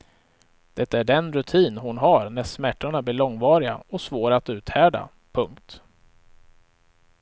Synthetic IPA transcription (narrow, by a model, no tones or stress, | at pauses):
d̪̥ɛt̪ːaæɖɛnɾɵt̪ʰiːnɦʊnɦaɾnæʂmæʈːaɳablɪːɭɔŋvɑːɾɪɡa̰ɔsvoːɾaat̪ʉ̟ːt̪hæːɖa̰ | pʰɵŋkt̪